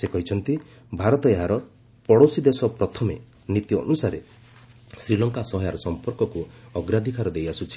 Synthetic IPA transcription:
sekɔɦit͡ʃʰɔnt̪i | bʱaɾɔt̪ɔeɦaɾɔ | pɔɽowsid̪esɔpɾɔt̪ʰɔme | nit̪iɔ̰nusaɾe | sɾilɔŋkasɔɦɔjaɾɔsɔmpɔɾkɔkuɔɡɾad̪ʱikaɾɔd̪ejasut͡ʃʰi̥

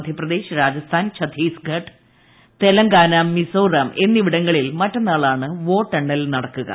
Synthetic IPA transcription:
d̪ʱjɐprɐd̪e̞ːɕɾaːd͡ʑɐst̪ʰaːnt͡ɕʰɐd̪ʰʱiːsɡʱɐʈ | t̪e̞lɐŋɡaːnɐmːisoːrɐme̞nːiʋiɽɐŋːɐɭilmɐtːonːaːɭaːɳɨʋo̞ːʈːeɳɖɐlnɐɽɐkːuɣɐ̰

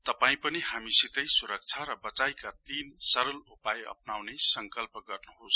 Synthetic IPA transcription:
t̪ʌpaĩpʌnihamisit̪ʌjsuɾʌk̚t͡sʰaɾʌbʌt͡sajkat̪insʌɾʌlupajʌ̰pnawnesʌŋkʌlpʌɡʌrnuɦos

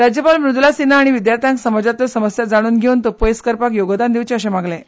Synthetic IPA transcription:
ɾad͡ʑjəpalmɾud̪lasinaːɽ̃iʋid̪jaɾt̪ʰjãŋksəməd͡ʑat̪əsəməsjad͡zaɽ̃uːnɡʱeunt̪opojskəɾpakjoɡd̪and̪iʋt͡ɕeəɕemaɡle

